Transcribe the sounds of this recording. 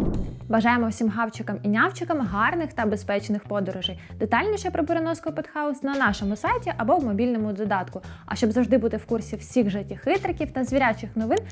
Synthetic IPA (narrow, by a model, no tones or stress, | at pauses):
ʋɐʒɑjemɔwsʲimɦɑwt͡ʃɪkɐminʲɑwt͡ʃɪkɐmɦɑrnɪxt̪ɐbespɛt͡ʃnɪxpɔd̪ɔɾʊʒɪjd̪̥et̪ɑlʲnʲiʃɛpɾɔpeɾenɔskɔpɔt̪xɑɔsnɐnɑʃɔmʊsɑjtʲiʔɐbɔwmɔbʲilʲnɔmʊd̪ɔd̪ɑt̪kʊɐ̰ʃt͡ʃɔbzɐwʒd̪ɪbut̪ɪwkursʲiw̥sʲiɣʒɐtʲixɪt̪ɾɐkʲiwt̪ɐzʲʋʲiɾʲat͡ʃɪxnɔʋɪn